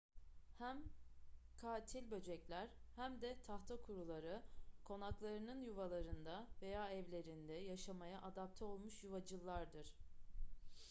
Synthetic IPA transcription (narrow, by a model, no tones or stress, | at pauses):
hæm | kʰaːt̪ʰilʲbø̞d͡ʒɛclʲæɾ̥hæmd̪ɛt̪ʰaxt̪ʰakʰuɾulˠaɾɯkʰo̞naklˠaɾɯnɯnjuvalˠaɾɯnd̪ave̞jaːɛvlʲe̞ɾind̪ɛjaʃamajaʔad̪ap̚t̪ʰɛo̞lˠmuʃjuvad͡ʒɯlˠːaɾd̪ɯɾ̥